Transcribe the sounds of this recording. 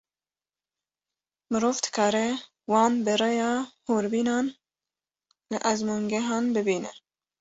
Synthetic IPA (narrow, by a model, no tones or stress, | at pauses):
mɨɾoːft̪kʰɑːɾe | wɑːnbɨɾɛjɑːhoːɾbiːnɑːn | lɨʔɐzmuːŋɡɛɦɑːnbɨbiːnɛ